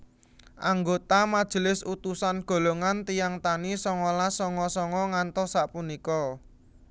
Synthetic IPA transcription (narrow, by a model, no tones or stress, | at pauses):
ʔaŋɡot̪amad̥ʒ̥ə̤lɪsut̪usanɡ̥o̤loŋant̪ijaŋt̪anisɔŋɔlasɔŋɔsɔŋɔŋant̪ɔsaʔpunikɔ